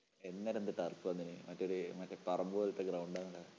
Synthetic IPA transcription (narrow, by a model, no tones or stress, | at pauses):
enːɐɾend̪ɐʈɐːrpɨʋɐnːinɨmɐtːoɾumɐtːɐpɐrɐmboɐlɐt̪ːeɡrɐwɳɖaːnɐɭɐ